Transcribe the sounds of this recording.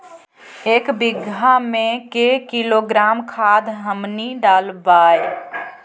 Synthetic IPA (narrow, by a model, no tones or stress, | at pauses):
eːkbɪɡʱamẽkekiloɡɾaːmkʰad̪ɦəmniɖalbaːj